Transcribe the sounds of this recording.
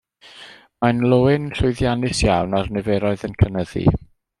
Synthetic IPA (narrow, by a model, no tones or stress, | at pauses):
manlˠoɪnɬʊɨðjanɨsjawnarnɛvɛɾɔɨðənkʰənəðḭ